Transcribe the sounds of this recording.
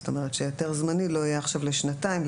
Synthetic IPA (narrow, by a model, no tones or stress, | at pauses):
t̪o̞me̞ʁ̞et̪ʃejot̪e̞ʁzmanilo̞ajaːχʃavleʃnataim